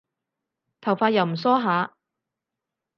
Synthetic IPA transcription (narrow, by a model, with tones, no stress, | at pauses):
t̪ʰɐ˨˩wfaː˧t̚jɐ˨˧wm̩˨˩s̬ɔː˥ɦaː˨˥